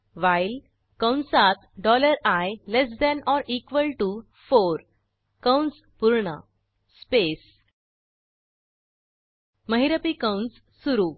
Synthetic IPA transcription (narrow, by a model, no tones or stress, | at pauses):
ʋajl | kə̃wɳsat̪ɖɔləɾajles̬d̪ɛ̃nɔɾikʋəlʈu | foɾ | kə̃wɳs | puɾɳa̰ | spes | məɦiɾəpikə̃wɳs | suɾu